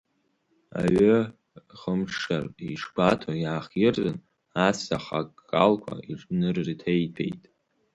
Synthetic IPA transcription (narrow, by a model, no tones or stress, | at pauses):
a̰ɥʏ | χəmʈ͡ʂʰʂariʂbatʰajaːχjɪrzʼɨn | asaχakʼːalkʷʰa̰iʈ͡ʂʼnɨrːtʰejtʰe̞̰jtʼ